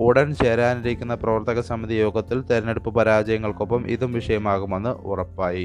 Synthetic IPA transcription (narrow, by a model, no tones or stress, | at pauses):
uɽɐnt͡ɕeːɾaːniɾikʲːun̪ːɐprɐʋɐrt̪ɐɣɐsɐmiðijo̞ːɡɐt̪ːilt̪eɾɐne̞ɽupːɨpɐɾaːd͡ʑɐjɐŋːɐɭko̞pːɐmʔḭðumʋiʂɐjɐmaːɣume̞nːɨurɐpːaːji